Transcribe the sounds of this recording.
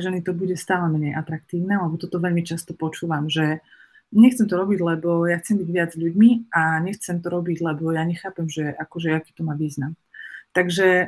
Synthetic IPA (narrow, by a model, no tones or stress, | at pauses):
ʒɛnit̪ɔbuɟɛst̪aːlɛmɛɲɛjʔat̪ɾak̚t̪iːʊnɛlɛbɔt̪ɔt̪ɔʋɛʎmit͡ʃast̪ɔpɔt͡ʃuːʋamʒɛ | ɲɛxt͡sɛmt̪ɔɾɔbiɟlɛbɔjaxt͡sɛmbiɟʋɪad͡zʎuɟmiʔaɲɛxt͡sɛmt̪ɔɾɔbiɟlɛbɔjaɲɛxaːpɛmʒɛakɔʒɛakiːt̪ɔmaʋiːznam | t̪aɡʒɛ